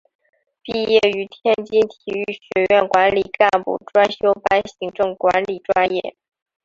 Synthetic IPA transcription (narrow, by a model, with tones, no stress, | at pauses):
pi˥˧jɛ˥˩y˧˥t̪ʰjɛ˥nt͡ɕi˥nt̪ʰi˨˩y˥˩ɕɥɛ˧˥ɥɛ˥˩nkwa˧˥nli˨˩ka˥˧npṵ˥˩ʈ͡ʂwa˥nɕjo˥ʊpa˥nɕi˧˥ŋʈ͡ʂɤ˥˩ŋkwa˧˥nli˨˩ʈ͡ʂwa˥njɛ̰˥˩